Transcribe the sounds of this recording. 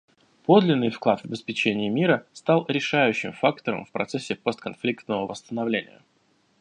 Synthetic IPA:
po̞d̪lʲɪnːɨjfklˠat̪vəbʲɪspʲɪt͡ɕenʲɪːmʲiɾəst̪alˠɾʲɪʂajʉɕːɪmfakt̪əɾə̰mfpɾɐ̰t̪sɛsʲːɪpost̪̚kɐnflʲikt̪nəvəvəst̪ənɐvlʲenʲɪ̰jə̰

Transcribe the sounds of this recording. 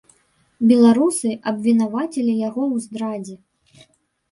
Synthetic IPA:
bʲɛlˠaɾusɨʔɐbʲvʲinavat͡sʲilʲijaɣɔwzd̪ɾad͡zʲɛ

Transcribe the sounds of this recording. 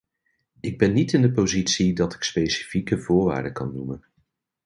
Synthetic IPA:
ɪɡ̚bɛnːitɪndəpozitsidɑtɪ̥kspejsi̥fikəvʊːɹʋa̰ːɹdəkɑ̰nːumən

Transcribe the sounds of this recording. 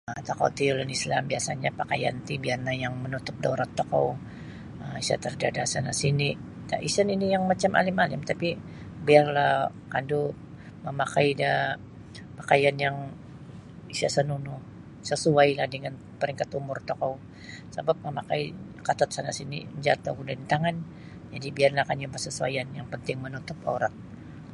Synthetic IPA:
t̪okɔ̰wt̪iulanislambiasaɲapaka̰ja̰nt̪ibiarnajaŋmənut̪ʊp̚doɾɔt̪ːɔkɔ̰w | əisa̰t̪ərdadasana̰sini | daʔisəninijaŋmat͡ʃamʔa̰lɪmalɪmt̪api | biarlah | kandu | məmakaida | pakajanjaŋ | isa̰sənunʊ | səsuajlahdəŋan | pəɾiŋkat̪umʊrt̪okɔw | sabap̚məmakai | kat̪ɔt̪̚sana̰sinḭɲd͡ʒat̪oɡudadit̪aŋan | d͡ʒadibiarlahkanapasəsua̰janjaŋpənt̪ɪŋmənut̪ʊpo̰ɾa̰ŋ̚

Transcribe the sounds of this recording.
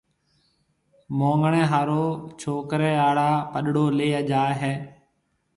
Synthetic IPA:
mõːŋɡɳẽːɦaːɾoːt͡ʃʰoːkɾeːaːɽaːpəɗɽoːleːəd͡ʒaːɦeː

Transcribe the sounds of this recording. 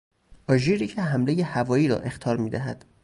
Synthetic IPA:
ʔɒːʒiɾiːcʰeɦæmle̞je̞hævɒːjiːɾɒ̰ʔe̞xt̪ʰɒːɾmiːd̪æɦæ̰d̪̥

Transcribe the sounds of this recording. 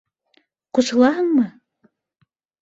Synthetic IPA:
qusɤ̆lˠɑɦɤ̆ɴmɤ

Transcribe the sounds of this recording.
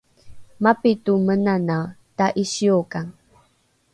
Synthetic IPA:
mapitumənanawtaʔiɕiokaŋ

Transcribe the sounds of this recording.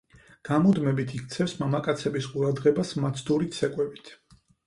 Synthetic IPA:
ɡ̥amɔd̪mɛbit̪ʰikʰt̪sʰɛfsmamakʼat̪sʰɛbisqʼuɾad̪ʁɛbasmat̪sʰd̪uɾit̪sɛkʼwɛbit̪ʰ

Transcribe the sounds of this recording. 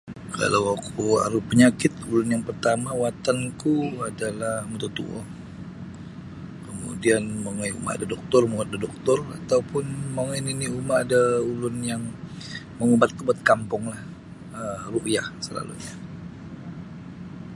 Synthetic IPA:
kʰa̰lawakua̰ɾupəɲakɪt̪ulʊnjaŋpərt̪amawat̪ankuadalahmut̪ut̪ṵʔɔ̰ | kəmṵdianmaŋaiṵma̰a̰dadɔk̚t̪ɔrmuŋat̪̚dadɔk̚t̪ɔra̰t̪awpʊnmaŋaniniumaːdaulʊnjaŋ | məŋubat̪ːəbat̪̚kampʊŋlah | əruʔjahsəla̰lṵɲa

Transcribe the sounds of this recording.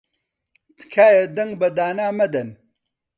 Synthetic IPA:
t̪kʰaːjɐd̪ɐŋɡbɐd̪aːnaːmɐd̪ɐn

